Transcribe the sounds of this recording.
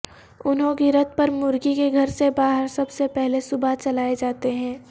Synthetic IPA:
ʊnɦõkiɾɐt̪̚pɐɾmʊɾɡikeɡʱɐɾsebaːɦəɾsɐbsepɛɦlesʊbat͡ʃɐlaːed͡ʒaːt̪eɦɛ̃ː

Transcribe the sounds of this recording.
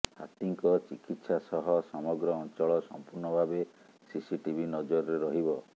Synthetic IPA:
ha̰t̪iŋkɔt͡ʃikit̪sasɔɦɔsɔmɔɡɾɔːnt͡ʃɔɭɔsɔ̰mpuɾnɔbʱabe | sisiʈibʱinɔd͡ʒɔɾɔɾeɾɔɦibɔ

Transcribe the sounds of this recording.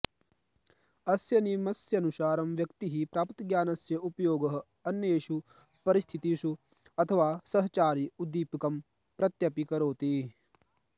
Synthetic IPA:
ɐsjɐnimɐsjɐnuʃaːɾɐmʋjɐkt̪iɦipɾaːpt̪iɡjaːnɐsjɐupɐjoːɡɐɦɐ̆ | ɐnjɐjeːʃu | pɐɾist̪ʰit̪iʃu | ɐt̪ʰɐʋaːsɐɦɐt͡ʃaːɾiud̪ːiːpikɐm | pɾɐt̪jɐpikɐɾoːt̪i

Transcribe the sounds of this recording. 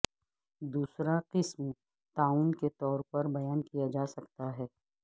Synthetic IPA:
d̪uːsɾaqɪsm | t̪aːuːnket̪ɔːɾpɐɾbɐjaːnkijad͡ʒaːsɐkt̪aɦɛː

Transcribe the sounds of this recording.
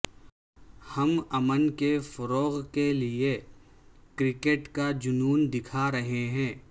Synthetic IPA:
hɐmɐmənkefɐɾoːɣkelie | kɾɪkeːʈkad͡ʒʊnuːnd̪ɪkʰaɾɐɦeɦɛ̃ː

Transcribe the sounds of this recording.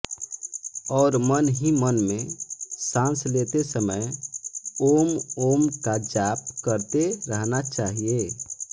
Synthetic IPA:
ɔːɾmənɦĩmənmẽsãnslet̪esəməj | oːmomkad͡ʒaːpkəɾt̪eɾəɦnat͡ʃaːɦije

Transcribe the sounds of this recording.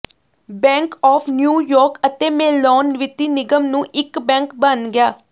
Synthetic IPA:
bɛ̃ːŋkɔːpʰnjuːjɔːɾkət̪eːmɛːlɔːnʋɪt̪iːnɪɡəmnũːʔɪkbɛ̃ːŋkbənɡɪjaː

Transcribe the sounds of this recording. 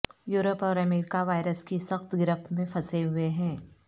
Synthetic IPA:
juːɾəpɔːɾɐmeːɾɪkaʋaːɪɾəskisɐxt̪ɡɪɾɪft̪mẽfʰɐseɦʊeɦɛ̃ː

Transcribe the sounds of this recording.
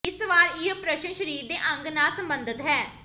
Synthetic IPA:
ɪsʋaːɾiəpɾəʃənʃəɾiːɾd̪eːʔə̃ŋɡnaːlsəmbənd̪ɪt̪ɦɛː

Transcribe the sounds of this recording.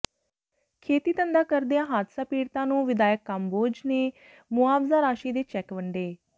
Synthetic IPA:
kʰeːt̪iːt̪ənd̪aːkəɾd̪ejãːɦaːd̪saːpiːɽt̪ãːnũːʋɪd̪aːjəkːamboːd͡ʒneː | mʊaːbzaːɾaːʃiːd̪eːt͡ʃɛːkʋəɳɖeː

